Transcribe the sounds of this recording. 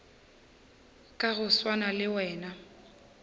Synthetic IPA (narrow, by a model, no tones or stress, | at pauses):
kʼaɣʊswanalɪwɛːna